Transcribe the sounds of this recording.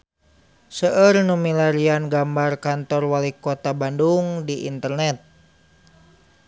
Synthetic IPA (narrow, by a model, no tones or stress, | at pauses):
səərnumilaɾianɡambarkant̪ɔrwalikɔt̪abanduŋdiʔḭnt̪ərnɛt̪̚